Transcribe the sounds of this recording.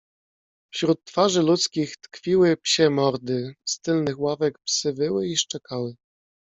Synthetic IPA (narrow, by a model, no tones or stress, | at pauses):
fɕɾut̪ːfaʐɘlut̪skʲixt̪kfʲiwɘpɕɛmɔɾd̪ɘst̪ɘlnɘxwavɛkpsɘbɘwɘiʂt͡ʂɛkʰawɘ